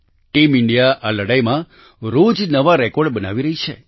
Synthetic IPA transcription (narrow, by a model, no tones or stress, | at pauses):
ʈimɪɳɖijaʔaləɽajmã | ɾod͡ʒnəʋaɾɛkoɖbənaʋiɾəɦit͡ʃʰḛ